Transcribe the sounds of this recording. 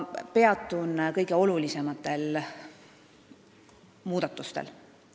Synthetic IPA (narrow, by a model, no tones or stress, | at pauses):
pe̞ɑt̪ːˑunkɤjɡ̥e̞o̞lulise̞mɑt̪ːˑe̞l | muːd̪ɑt̪ːˑust̪ḛl